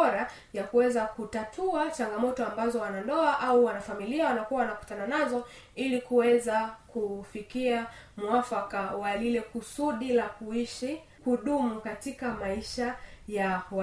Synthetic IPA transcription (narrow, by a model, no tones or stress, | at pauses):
ɔɾa | jakuwɛzakutatʰuat͡ʃaŋɡamɔtɔambazɔwanandɔaʔauwanafamiliawanakuawanaku̥tananazɔ | ilikuwɛzakufikia | muafakawalilɛkusuɗilakuiʃi | kuɗumukatikamaiʃajawa